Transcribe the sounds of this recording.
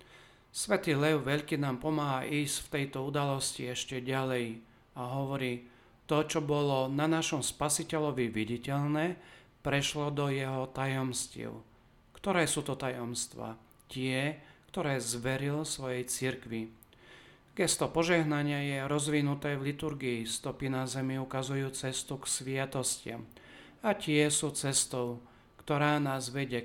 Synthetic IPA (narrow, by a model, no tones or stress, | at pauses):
sʋɛt̪iːlɛʊʋɛʎkinaːmpɔmaːɦaʔiːscft̪ɛjt̪ɔud̪alɔsciɛʃcɛɟalɛj | aɦɔʋɔɾiː | t̪ɔt͡ʃɔbɔlɔnanaʃɔmspasicɛʎɔʋiʋiɟicɛʎnɛː | pɾɛʃlɔd̪ɔjɛɦɔt̪ajɔmscḭːʊ | kt̪ɔɾɛːsuːt̪ɔt̪ajɔmst̪ʋa̰ | cɪɛkt̪ɔɾɛːzʋɛɾilsʋɔjɛjt͡siɾkʋi | ɡɛst̪ɔpɔʒɛɦnaɲɪajɛɾɔzʋinut̪ɛːvlit̪uɾɡiːst̪ɔpinazɛmiukazujuːt͡sɛst̪uksʋɪat̪ɔscɪa̰m | acɪɛsuːt͡sɛst̪ɔʊ | kt̪ɔɾaːnaːzʋɛɟɛ